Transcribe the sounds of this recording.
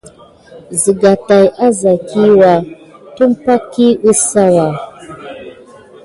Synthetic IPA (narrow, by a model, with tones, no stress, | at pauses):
zi˨ɡa˨ta˨jʔa˦za˨kʰi˦wa˨ | tu˦mpa˦kːi˦u˦sa˦wa˨